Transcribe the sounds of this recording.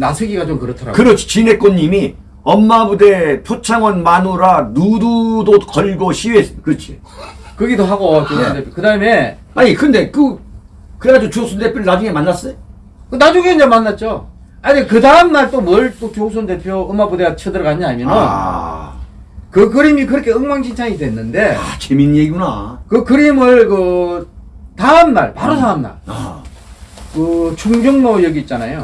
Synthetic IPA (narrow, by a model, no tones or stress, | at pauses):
nasʰɯɡiɡat͡ɕomkɯɾʌtʰʌɾa̰ɡkɯɾʌt͡ɕʰi̥t͡ɕine̞k͈onːimi | ʌmːabude̞t͡ɕʰot͡ɕʰaŋʌnmanuɾanududokʌʎɡoɕʰiɥes͈kɯt͡ɕʰi | kɯɡidoɦaɡot͡ɕosɯndepʰjokɯdaɯme̞ | aɲikɯnde̞kɯ | kɯɾead͡ʑot͡ɕosʰundepʰjoɾɯɭnad͡ʑuŋe̞manːas͈ʌjo | kɯnad͡ʑuŋeind͡ʑemanːat̚t͡ɕ͈o | aɲikɯdaɯmnaɭt͈omwʌɭt͈ot͡ɕos̬ʰunde̞pʰjoɯmabudeat͡ɕʰɯdɯɾkaɲiamjʌnʌn | kɯk̬ɯɾimik̬ɯɾʌkʰe̞ɯŋmaŋɕʰint͡ɕʰaŋidwe̞nːɯnde̞at͡ɕeminjeɡiɡunakɯkɯɾimɯɭkɯ | taɯmna̰ɭpaɾos̬ʰaamna̰ɭa̰ | kɯt͡ɕʰuŋd͡ʑuŋmojʌɡiːt̚t͡ɕ͈anajo